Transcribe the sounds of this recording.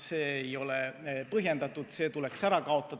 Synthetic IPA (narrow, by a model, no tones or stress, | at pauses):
seːejo̞lepɤɦje̞nd̪ɑt̪ːˑut̪se̞ːt̪uleksæɾɑkɑo̞t̪ˑːɑ